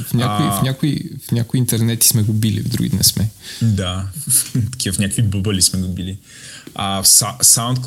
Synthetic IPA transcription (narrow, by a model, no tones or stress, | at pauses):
fɲʲakʊifnʲakoifnʲakʊiːnt̪ɛɾnɛt̪i̥smɛɡobilḭvd̪ɾṵɡḭd̪nɛ̰smɛd̪a | t̪ɐ̥kʲivəfnʲakovibobəlismɛɡobili | asasaw̃nt̪̚k